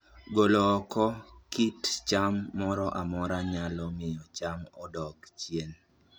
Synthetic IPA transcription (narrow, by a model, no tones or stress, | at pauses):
ɡolɔːkʰɔkitt͡ʃamːɔɾɔʔamɔɾaɲalɔmɪjɔt͡ʃamɔdɔkt͡ʃjen